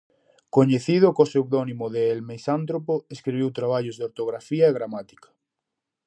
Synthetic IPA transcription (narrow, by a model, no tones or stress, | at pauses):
koɲeθið̞ʊkosewðɔnimoðeelmesant̪ɾopoeskɾiβiwt̪ɾaβ̞aʎozðeoɾt̪oɣɾafiaeɣɾamat̪i̥kḁ